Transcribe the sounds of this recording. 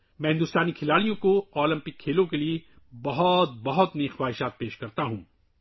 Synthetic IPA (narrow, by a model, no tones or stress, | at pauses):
mɛ̃ɦɪ̃nd̪ʊst̪aːnikʰɪlaːɽijõkoɔːlɐ̃mpɪkʰːeːlõkelie | bɐɦɔt̪̚bɐɦɔt̪neːxwaːɦɪʃaːt̪̚peːʃkɐɾt̪aɦũː